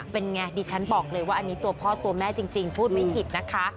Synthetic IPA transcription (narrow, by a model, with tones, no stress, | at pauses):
pe˧nŋɛː˧˩diː˧t͡ɕʰa˦˥nbɔː˨˩k̚lɤː˧jwaː˥˩ʔa˧niː˦˥t̪u˧ɐpʰɔː˥˩t̪u˧ɐmɛː˥˩t͡ɕi˧ŋt͡ɕi˧ŋpʰuː˥˩t̪̚ma˥˩jpʰi˨˩t̪̚na˦˥kʰa˦˥